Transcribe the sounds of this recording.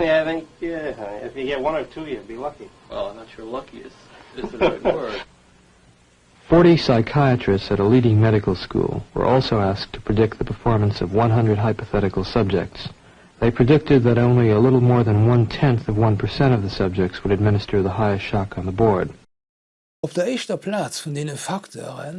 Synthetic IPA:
aɪθɪ̃ŋkæɪfjɨɡɛt̚wʌ̃nə˞tʰujɨbilʌki | wɛ̰lˠãɪ̃mnətʃɹlʌkiɨ̰s | ɪzɜ̥˞ | fɔɹɾisaɪkʰaɪɨt͡ʃɹ̥ɨstsɨɾəliɾɪ̃ŋmɛɾɨkl̩ˠskṵlˠwə̰˞ʔɔlˠsoʊæsk̚tʰə̥pʰɹ̥ɨdɪk̚t̪̚ðəpʰə˞fɔɹmə̃nsʌvwʌ̃nɦʌ̃ndɹɨd̚ɦaɪpɨθɛɾɨkl̩ˠsʌb̚d͡ʒɪ̰k̚ts | ðeɪpʰɹ̥ɨdɪk̚tɨd̪̚ðɨɾõʊ̃nliəlɪɾl̩ˠmɔɹðɨ̃nwʌ̃ntʰɛ̃nθʌvwʌ̃npʰə˞sɛ̃ɾ̃ʌvðɨsʌb̚d͡ʒɨk̚tswəɾɨd̚mɪ̃nɨstʰə˞ðəɦaɪɨstʃɑkn̩ðəbɔɹd̥ | ʊfd̥eɐɛʃtəpʰlat͡sfɔndenənfaktʰo̰ʁən

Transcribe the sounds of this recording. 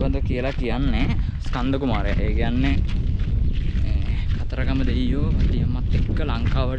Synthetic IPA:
ad̪əkijəlakijanːeskand̪əkumaːɾeja̰ʔeːkijanːe | kʰat̪əɾaɡaməd̪eijjoːɐt̪ijəmːat̪ːekːəlaŋkaːʋə

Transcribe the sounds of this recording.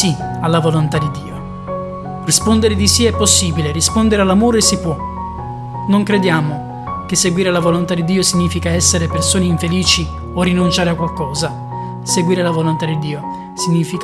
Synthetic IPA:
ialːavolont̪ad̪id̪ːiːo | rispond̪eɾed̪isiɛpːosːiːbileɾispond̪eɾealːamoːɾesipːwɔ | noŋkɾed̪jaːmo | kesːeɡwiːɾelavolont̪ad̪id̪ːiːosiɲːiːfikaɛsːeɾepersoːneiɱfeliːt͡ʃi | orinunt͡ʃaːɾeakːwalkɔːza | seɡwiːɾelavolont̪ad̪id̪ːiːo | siɲːiːfik

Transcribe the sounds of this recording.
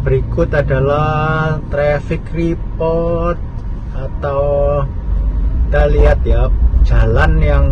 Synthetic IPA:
b̥əɾikʊt̪ada̤laht̪ɾɛfɪkripɔrt̪̚ | at̪aw | t̪aliat̪̚jḁd͡ʒ̥a̤lanjaŋ

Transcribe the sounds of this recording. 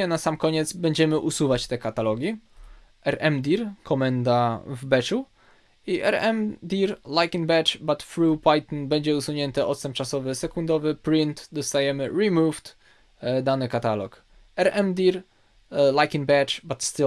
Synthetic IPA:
ɛnasamkɔɲɛt̪zbɛɲd͡ʑɛmɘʔusuvat͡ɕt̪ɛkat̪alɔɡʲi | ɛɾɛmd̪ʲiɾkʰɔmɛnd̪avbɛt͡ʂu | iʔɛ̰ɾɛmd̪ʲiɾlajkĩŋbɛt͡ʂbat̪fɾupajt̪nbɛɲd͡ʑɛusuɲɛnt̪ɛʔɔt̪sɛmpt͡ʂasɔvɘsɛkund̪ɔvɘpɾint̪d̪ɔst̪ajɛmɘɾimuvt̪ | d̪anɘkat̪alɔk | ɛɾɛmd̪ʲiɾ | lajkĩŋbɛt͡ʂbat̪st̪ɪ

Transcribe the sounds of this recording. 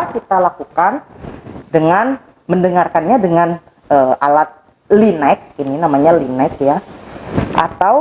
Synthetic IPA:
kit̪alakukan | dəŋan | məndəŋarkanɲadəŋan | ʔəʔalat̪̚ | linaɪk̚ininamaɲalinaɪk̚ja | ʔa̰t̪aw

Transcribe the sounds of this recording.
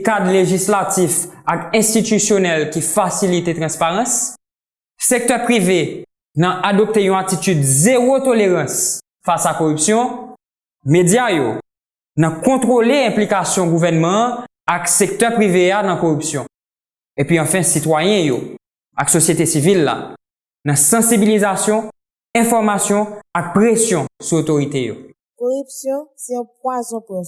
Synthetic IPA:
kad̪leʒislat̪ifakɛ̃st̪it̪ysjonɛlkifasilit̪et̪ʁɑ̃spaʁɑ̃s | sek̚t̪œpʁive | nãʔad̪ɔp̚t̪ejɔ̃at̪it̪yd̪zeʁot̪oleʁɑ̃s | fasakoʁypsjɔ̃ | med͡zjajo | nɐ̃kɔ̃t̪ʁoleɛ̃plikasjɔ̃ɡuvɛʁnmɑ̃ | aksek̚t̪œpʁiveanɐ̃koʁypsjɔ̃ | epɥiɑ̃fɛ̃sit̪wajɛ̃jo | aksosjet̪esivilːa̰ | nɐ̃sɑ̃sibilizasjɔ̃ | ɛ̃fɔʁmasjɔ̃ak̚pʁesjɔ̃suot̪oʁit̪ejo̰ | koʁypsjɔ̃sɛɔ̃p̚wazɔ̃pɛ̃

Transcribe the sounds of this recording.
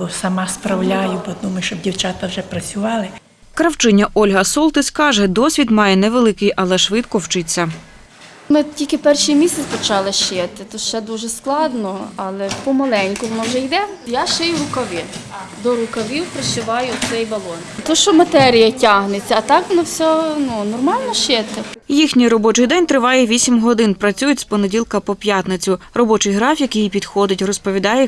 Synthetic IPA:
ɔsɐmɑspɾɐwlʲajʊbɔd̪umʊʃt͡ʃɔbdʲiwt͡ʃat̪ɐwʒɛpɾɐt͡sʲʊʋɑlˠɪ | kɾɐwt͡ʃɪnʲːɐʔɔlʲɦɐsɔlˠt̪ɪsʲkɑʒɛd̪ɔsʲʋʲid̪mɑjɛnɛʋelˠɪkɪjʔɐlˠɛʃʋɪt̪kɔwt͡ʃɪt͡sʲːɐ | mɪtʲilʲkɪpɛrʃijmʲisʲɐt͡sʲɐt͡ʃɑlˠɪʃɪt̪ɪt̪ɔʃɛd̪uʒɛsklˠɑd̪nɔɑlˠɛpɔmɐlˠɛnʲkʊʋɔnɔwʒɛjd̪ɛjaʃɪjʊɾʊkɐʋɪd̪ɔɾʊkɐʋʲiwpɾɪʃɪʋɑjʊsɛjbɐlˠɔnt̪ɔʃt͡ʃɔmɐt̪ɛɾʲijɐtʲaɦnet͡sʲːɐːt̪ɑkʋɔnɔwsʲɔnunɔrmɑlʲnɔʃɪt̪ɪjixnʲijrɔbɔt͡ʃɪjd̪ɛnʲt̪ɾɪʋɑjɛʋʲisʲimɦɔd̪ɪnpɾɐt͡sʲujʊtʲspɔnedʲilˠkɐpɔpʲjat̪nɪt͡sʲʊrɔbɔt͡ʃɪjɦɾɑfʲjɐkijpʲid̪̥xɔd̪ɪtʲrɔspɔʋʲid̪ɑjɛ

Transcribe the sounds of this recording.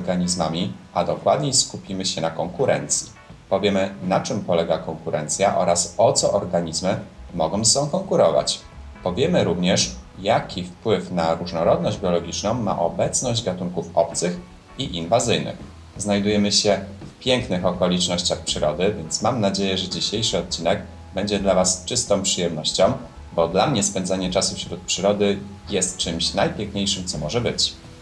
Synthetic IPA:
ɔɾɡaɲizmamʲiad̪ɔkwad̪ɲejskupʲimɘɕɛnakɔŋkuɾɛ̰nt̪sʲji | pɔvʲjɛmɘnat͡ʂɘmpɔlɛɡakɔŋkuɾɛnt̪sʲjaʔɔɾasɔt̪sɔʔɔɾɡaɲizmɘmɔɡɔ̃w̃sɔ̃w̃kɔŋkuɾɔva̰t͡ɕ | pɔvʲjɛmɘɾuvɲɛʂjakʲifpwɘfnaɾuʐnɔɾɔd̪nɔʑd͡ʑbʲjɔlɔɡʲit͡ʂnɔ̃w̃ma̰ʔɔbɛt̪snɔʑd͡ʑɡat̪uŋkufɔp̚t̪sɘx | iʔinvazɘjnɘ̰x | znajd̪ujɛmɘɕɛfpʲjɛŋknɘxɔkɔlʲit͡ʂnɔɕt͡ɕaxpʂɘɾɔd̪ɘvʲjɛnt̪smamnad͡ʑejɛʐɛd͡ʑiɕejʂɘɔt̪̚t͡ɕinɛɡ | bɛɲd͡ʑɛd̪lavast͡ʂɘst̪ɔ̃w̃pʂɘjɛmnɔɕt͡ɕɔ̃w̃ | bɔd̪lamɲɛspɛnd̪zaɲɛt͡ʂasufɕɾut̪̚pʂɘɾɔd̪ɘ | jɛst̪̚t͡ʂɘmɕnajpʲjɛŋkɲejʂɘmt̪sɔmɔʐɛbɘt͡ɕ

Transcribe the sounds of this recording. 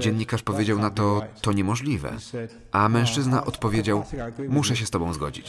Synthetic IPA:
d͡ʑɛnʲːikaʂpɔvʲjed͡ʑawnat̪ɔt̪ɔɲɛmɔʐlʲivɛ̰ | ʔamɛ̃w̃ʂt͡ʂɘznaʔɔt̪pɔvʲjed͡ʑawmuʂɛɕ̬ɛst̪ɔbɔ̃w̃zɡɔ̰d͡ʑit͡ɕ

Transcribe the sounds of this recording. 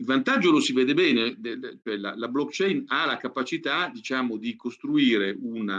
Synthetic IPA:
ilvant̪ad͡ʒːolosivɛːd̪ebɛːnet͡ʃoɛla̰lablɔkt͡ʃɛjnalakapat͡ʃit̪ad̪it͡ʃaːmod̪ikost̪ɾuiːɾeʔuna

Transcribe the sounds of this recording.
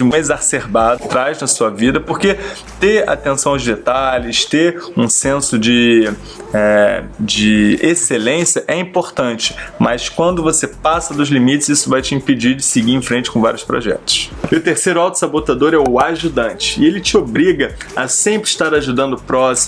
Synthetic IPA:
d͡ʒɪ̃mezaseɾbad̪ʊt̪ɾajznɐsuɐvid̪ɐpoɾke | t̪ea̰t̪ẽsɐ̃w̃ʊzd̪et̪alɪst̪eũsẽsʊd͡ʒɪ | ɛd͡ʒɪeselẽsjɐʔɛĩpoɾt̪ɐ̃nt͡ʃɪ̥mɐskwɐ̃nd̪ʊvosepasɐd̪ʊzlimit͡ʃɪzisʊvajt͡ʃɪĩped͡ʒid͡ʒɪsɪɡiɾẽj̃fɾẽnt͡ʃɪ̥kõva̰ɾjʊspɾo̰ʒɛ̰t̪ʊ̥sɪʊt̪eɾsejɾʊawt̪ʊ̥sabot̪ad̪oɾɛʊaʒud̪ɐ̃nt͡ʃɪ̥ɪelɪt͡ʃɪobɾiɡɐ | ɐsẽmpɾɪʃt̪aɾaʒud̪ɐ̃nd̪ʊpɾɔs

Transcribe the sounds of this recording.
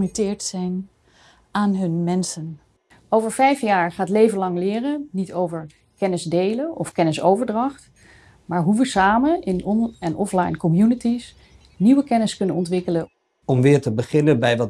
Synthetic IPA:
mytɪːɹtsɛjn | aːnɦɵnmɛnsən | owvəɹvɛjfjaːɹχaːtlejvənlɑŋlɪːrənitowvəɹ | kɛnɪzdejləʔɔfkɛnɪsowvəɹdrɑχt | maːɹɦuʋəsaːmənɪnɔnɛnʔɔflɑjnkɔmjunətis | niʋəkɛnɪskɵnənɔntʋɪkələ | ɔmʋɪːɹtəbəχɪnəbɛjʋɑ

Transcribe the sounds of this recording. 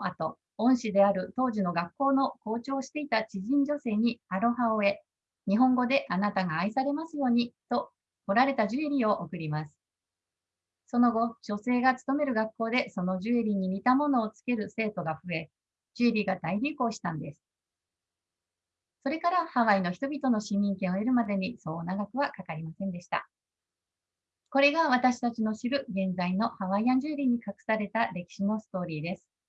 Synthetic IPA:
at̪o̞ | õɰ̃ɕid̪e̞aɾɯ̟t̪o̞ːʑino̞ɡakːo̞ːno̞ko̞ːt͡ɕo̞ːɕi̥t̪e̞it̪at͡ɕiʑĩɲ̟d͡ʑo̞se̞ːɲ̟iaɾo̞ɦaoe̞ | ɲ̟iɦõ̞ŋɡo̞d̪e̞ʔanat̪aŋaːisaɾe̞masɨjo̞ːɲ̟it̪o̞ | ko̞ɾaɾe̞t̪aʑɨeɾʲio̞ʔokɯ̟ɾʲimasɨ̥ | so̞no̞ɡo̞ʑo̞se̞ːɡat͡sɨ̥t̪o̞me̞ɾɯ̟ɡakːo̞ːd̪e̞so̞no̞ʑɨeɾʲiɲ̟imʲit̪amo̞no̞ːt͡sɨ̥ke̞ɾɯ̟se̞ːt̪o̞ɡaɸɯ̟e̞ | d͡ʑɨɾʲiɡad̪aiɾʲiko̞ːɕi̥t̪ãnd̪e̞sɨ̥ | so̞ɾe̞kaɾahaβaino̞çi̥t̪o̞bʲit̪o̞no̞ɕĩmːʲĩŋkẽɰ̃o̞eɾɯ̟mad̪e̞ɲ̟iso̞ːnaɡakɯ̟βakakaɾʲimasẽnd̪e̞ɕi̥t̪a̰ | ko̞ɾe̞ɡaβ̞at̪aɕi̥t̪at͡ɕino̞ɕiɾɯ̟ɡẽ̞nd͡zaino̞haβaiãɲ̟d͡ʑɨːɾʲiɲ̟ikakɯ̟̥saɾe̞t̪aɾe̞kʲi̥ɕino̞sɨ̥t̪o̞ːɾʲiːd̪e̞sɨ̥

